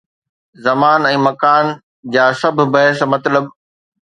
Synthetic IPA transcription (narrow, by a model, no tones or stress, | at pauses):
zɐmaːnɛ̃ːmɐkaːn | d͡ʑaːsɐb̆ʱbɐɦɪsmɐt̪ləb